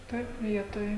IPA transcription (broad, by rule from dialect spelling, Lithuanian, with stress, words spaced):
ˈtɐɪp ˈʋʲiɛtoːj